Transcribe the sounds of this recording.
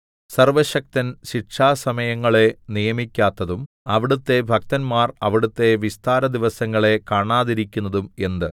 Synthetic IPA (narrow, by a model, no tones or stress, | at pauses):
sɐrʋɐɕɐk̚t̪ɐnɕiʈʂʰaːsɐmɐjɐŋːɐɭe̞nijɐmikʲːaːt̪ːɐðum | ɐʋiɽut̪ːe̞bʱɐk̚t̪ɐnmaːrɐʋiɽut̪ːe̞ʋist̪aːɾɐd̪iʋɐsɐŋːɐɭe̞kaːɳaːðiɾikʲːunːɐðume̞nd̪ɨ